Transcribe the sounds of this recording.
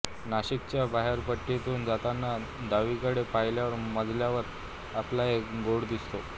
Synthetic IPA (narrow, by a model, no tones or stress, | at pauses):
naɕikt͡ɕjabaɦeɾpəʈːit̪uːnd͡zat̪anːa | d̪aʋikəɽepaɦjljaʋəɾməd̪ʱljaʋəɾ | aplaekɡoɽd̪ist̪o